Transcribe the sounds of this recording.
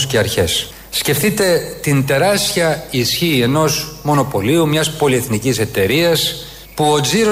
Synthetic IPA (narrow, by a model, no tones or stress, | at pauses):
sceɐɾçe̞sː | ce̞fθit̪e̞t̪int̪e̞ɾɐstçiɐisçieno̞zmo̞no̞po̞liumɲɐspo̞lie̞θnicise̞t̪e̞ɾiɐs | puo̞ziɾo